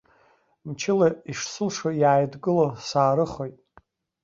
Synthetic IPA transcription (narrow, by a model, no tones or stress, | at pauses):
mt͡ʃʰɪlaiʂsɨlʂojaːjdɡɨlosaːɾɨχojtʼ